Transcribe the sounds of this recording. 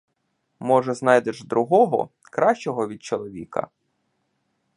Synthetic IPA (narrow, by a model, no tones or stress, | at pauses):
mɔʒɛznɑjd̪eʒd̪ɾʊɦɔɦɔ̰ | kɾɑʃt͡ʃɔɦɔʋʲid̪̚t͡ʃɔlˠɔʋʲḭkɐ̰